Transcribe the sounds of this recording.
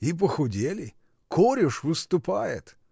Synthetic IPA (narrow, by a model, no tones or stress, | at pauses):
ip̬əxʊdʲelʲɪ | kʰoɾʲʊʂvɨst̪ʊpajɪ̰t̪